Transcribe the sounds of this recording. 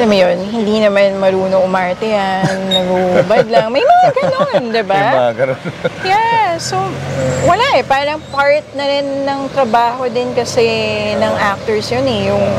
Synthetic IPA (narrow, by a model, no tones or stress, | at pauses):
lɐmjonhɪnd̪inɐmanmɐɾuːnoʔʊmaɹt̪ɛjannɐɡuʔbad̪̚lɐŋmɐjmɐŋaɡɐnond̪ɪbaɡɐjasowɐlaʔɛpaːɾɐŋpaɹt̪̚nɐɾɪnːɐŋt̪ɾɐbaːho̞d̪ɪnkɐsɛnɐŋʔak̚t̪ɛɹsjonɛjʊŋ